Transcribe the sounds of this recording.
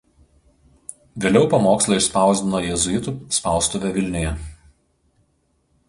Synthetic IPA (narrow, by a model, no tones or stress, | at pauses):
ʋʲeːlʲɛʊpɐmoːkslˠɐɪʃspɑˑʊzʲd̪ʲɪnoːjɛzʊjɪt̪uˑspɑˑʊst̪ʊʋʲɛʋʲɪlʲnʲɪjɛ